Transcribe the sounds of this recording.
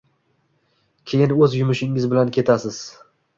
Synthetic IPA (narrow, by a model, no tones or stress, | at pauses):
kʲʰe̞jɪnɵzjʊmɪʃɪŋɪzbɪlankʲʰe̞t̪ʰasɪz̥